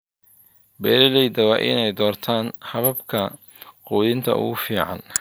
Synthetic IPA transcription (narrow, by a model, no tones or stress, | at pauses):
bɛːɾɪlɛjd̪ɐwɑʔɪ̰nɛjd̪ɔːrt̪ʰaːnhɐβɐbkʰɐ | quːðɪnt̪ʰɐ̰ʔʊ̰ɣʊfiːʕɑ̰n